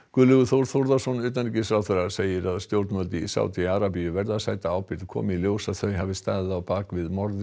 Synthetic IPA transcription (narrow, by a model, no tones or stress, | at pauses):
kʏlʏɣʏθowɾθowɾðasɔnʏːt̪anicɪsɾaːwθɛrḁseːjɪɾaðst̪jowɾt̪mœlt̪ɪḭsa̰wt̪iaɾapijʏvɛɾðasaːjt̪aawpɪɾt̪kʰɔ̰ːmɪiljoːwsaðθœɥɦaːvɪst̪aːðɪðawpaːkvɪðmɔɾð